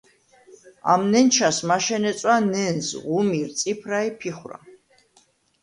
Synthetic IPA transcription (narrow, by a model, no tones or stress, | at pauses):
a̰mnɛnt͡ʃʰasmaʃɛnɛt̪sʼwanɛnzʁumiɾt̪sʼipʰɾaipʰiχwɾa̰